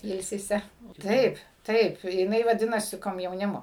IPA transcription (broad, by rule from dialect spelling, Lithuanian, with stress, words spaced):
ˈɪlʲsʲɪsʲɛ ˈtɐɪp ˈtɐɪp jɪˈnɐɪ ʋɐˈdʲɪnɐsʲɪ koːmʲjɛʊˈnʲɪmoː